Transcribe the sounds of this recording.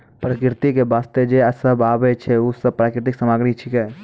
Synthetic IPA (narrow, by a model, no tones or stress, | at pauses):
pɾəkɾɪt̪ikebaːst̪ed͡ʒeɐsəbaːbet͡ʃʰeʊsəb̚pɾaːkɾɪt̪̬ɪksəmaːɡɽ̃it͡ʃʰikɛː